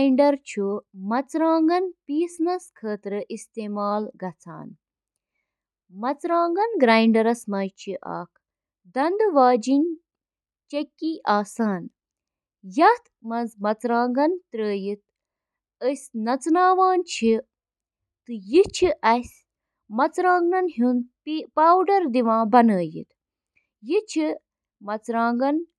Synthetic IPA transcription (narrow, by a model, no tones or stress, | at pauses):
ɳɖɐɾt͡ʃʰumɐt͡sɾaːŋɡɐnpiːsnɐskʰəːt̪ɾɨʔist̪eːmaːlɡɐt͡sʰa̰ːn | mɐt͡sɾaːŋɡɐnɡɾaːjɳɖɐɾɐsmɐjt͡ʃʰiʔa̰ːkʰ | d̪ɐnd̪ʋaːd͡ʒinʲ | t͡ʃɐkːiʔaːsaːn | jɐt̪mɐnzmɐt͡sɾãːŋɡɐnt̪ɾəːjit̪̚ | əsʲnɐt͡snaːʋaːnt͡ʃʰi | t̪ɨjit͡ʃʰiʔɐsʲ | mɐt͡sɾãːŋɡnɐnɦunpipaːwɖɐɾd̪iʋãːbɐnəːjḭt̪ | jit͡ʃʰi | mɐt͡sɾãːŋɡɐn